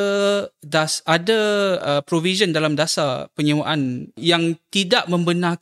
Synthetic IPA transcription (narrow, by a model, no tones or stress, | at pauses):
dasʔadaəpɾovizəndalamdasapəɲawaʔanjaŋt̪idaʔmə̃mbənã